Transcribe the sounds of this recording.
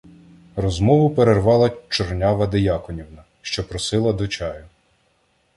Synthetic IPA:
rɔzmɔʋʊpeɾerʋɑlˠɐt͡ʃɔrnʲaʋɐd̪ɪjɑkɔnʲiwnɐ | ʃt͡ʃɔpɾɔsɪlˠɐd̪ɔt͡ʃɑjʊ

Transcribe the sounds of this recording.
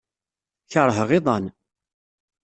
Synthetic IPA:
çəɾˤɦəʁɪðˤɑn

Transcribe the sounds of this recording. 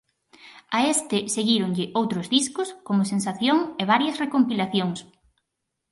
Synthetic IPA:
aest̪ɪseɣiɾoŋʎɪʔowt̪ɾozðiskʊskomʊsensaθjoŋeβ̞aɾjɐsrekompilaθjoŋs

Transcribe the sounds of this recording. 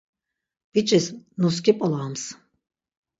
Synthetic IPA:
b̥it͡ʃʼisnus̬kʰipʼɔlaːms

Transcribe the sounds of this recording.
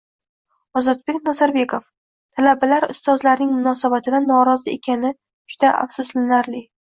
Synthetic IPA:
ɒzɒt̪̚be̞kʲnazaɾbe̞kʰof | t̪ʰalabalaɾʊ̰st̪ɒzlaɾnɪŋmʊnɒsabat̪ʰɪd̪anɒɾɒzɪekʲʰanɪ | d͡ʒʊd̪aʔa̰fsʊslɪnaɾlɪ

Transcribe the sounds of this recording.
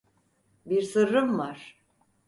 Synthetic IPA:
biɾsɯɾːɯmvaɾ̥

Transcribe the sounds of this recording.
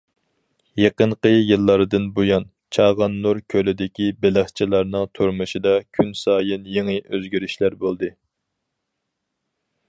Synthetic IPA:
jeqəɴqəjɨlˠːɑɾd̪ɨnbojɑn | t͡ʃʰɑːʁɑnlˠuɾkʲʰølɪd̪ɪkʲibɪlɪχt͡ʃʰilˠɑɾnɨŋt̪ʰuɾmɨʃid̪ɑkʲʰynsɑːjɨnjeŋɨʔøzɡʲyɾyʃlæɾbolˠd̪ɨ

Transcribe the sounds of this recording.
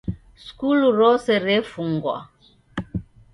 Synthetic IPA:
skuluɾɔsɛɾɛfuŋɡwa̰

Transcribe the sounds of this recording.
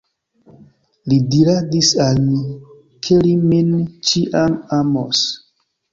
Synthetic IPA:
lidiɾadisalmi | kʰelimint͡ʃiʔamamos

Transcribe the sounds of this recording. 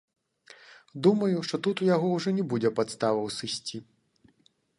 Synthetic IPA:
d̪umɐjuʂt̪ɔt̪ut̪ujaɣɔwʐɔnʲɛbud͡zʲɛpat̪st̪avɐwsɨsʲt͡sʲi

